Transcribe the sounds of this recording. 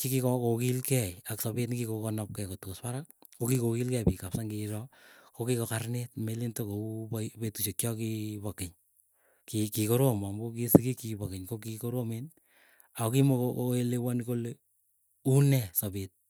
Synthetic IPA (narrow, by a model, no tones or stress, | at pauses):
kikikɔkokilkɛjaksɔbet̬nkikokonɔp̚kɛkotukoswaɾak̚kokikokilkɛpikapsaŋkiɾɔkokikokarnet̚melintokoppetuʃekt͡ʃjɔkipɔkɪɲ | kikikoɾomambokisikikipɔkɪɲkokikoɾomen | aokimokooelewankole | unɛsɔbet̚